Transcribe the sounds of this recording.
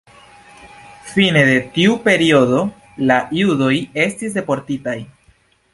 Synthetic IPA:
fine̞de̞tiupe̞ɾio̞do̞ | lajudo̞je̞stis̬de̞po̞ɾtitaj

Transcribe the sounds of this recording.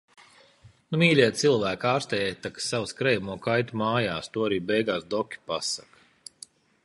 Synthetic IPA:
numiːlʲiɛt̪t̪silˠvæːkaːɾst̪ɛjɛt̪ːakḁsawskɾɛjamuɔkajt̪umaːjaːst̪uɔaɾiːbɛjɡaːsd̪ɔkʲi̥pasak

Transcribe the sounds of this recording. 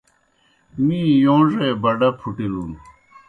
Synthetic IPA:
mijoŋʐebaɖapʰuʈilun

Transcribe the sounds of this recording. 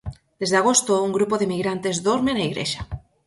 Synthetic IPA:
d̪ezðeaɣ̞ost̪ouŋɡɾupoðemiɣɾant̪ezðoɾmenaiɣɾḛʃa

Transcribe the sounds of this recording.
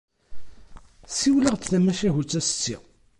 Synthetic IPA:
siwləʁt͡sθæmæʃæɦut͡sːæst͡sːḭ

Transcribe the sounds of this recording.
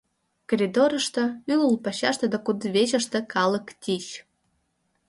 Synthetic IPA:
korʲid̪oɾə̆ʃt̪ɤ̆yulpɑɕɑʃt̪ə̆d̪ɑkud̪βeʑə̆ʃt̪ĕkɑlə̆kt̪ʲiʃ

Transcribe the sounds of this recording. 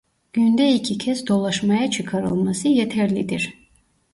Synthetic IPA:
ɟ̥ynd̪ɛicʰicʰɛsd̪o̞lˠaʃmajat͡ʃʰɯkʰaɾɯ̰lˠmasɯjɛt̪ʰɛɾlʲid̪iɾ

